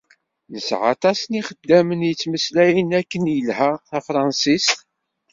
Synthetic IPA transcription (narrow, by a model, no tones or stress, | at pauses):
nəsʕɑ̰t̪ˤɑsəniχəd̪ːæmənjət͡sːməslæjənækːənjəlhæθæfɾˤɑnsist̪